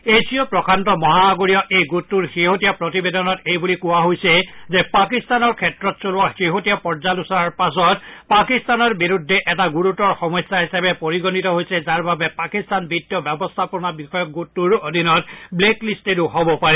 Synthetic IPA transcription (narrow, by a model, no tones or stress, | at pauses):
esijɔpɹɔkʰantɔmɔɦaɡoɹijɔʔejɡutːuɹxiɦotijapɹɔtibedɔnɔtejbulikʊwaɦojsɛzepakistanɔɹkʰɛtɹɔtsolʊaxiɦotijɔpɔɹzalusaɹaɹpas̬ɔtpakistanɔɹbiɾudʱːɛʔɛtaɡuɹutɔɹxɔmɔjsːaɦisabɛpoɹiɡonitɔɦojsɛzaɹbabɛpakistanbidjɔbɛbɔst̪ʰapɔnabixɔjɔk̚ɡutːuɹod̪ʱinɔtbleklisteɾuɦobɔpaɹɛ